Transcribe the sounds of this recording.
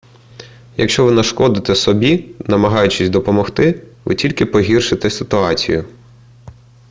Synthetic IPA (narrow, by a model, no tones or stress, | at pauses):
jɐkʃt͡ʃɔʋɪnɐʃkɔd̪ɪt̪ɛsɔbʲinɐmɐɦɑjʊt͡ʃɪsʲd̪ɔpɔmɔxt̪ɪʋɪ̰tʲilʲkɪpɔɦʲirʃɪt̪ɛsɪt̪ʊɑt͡sʲḭjʊ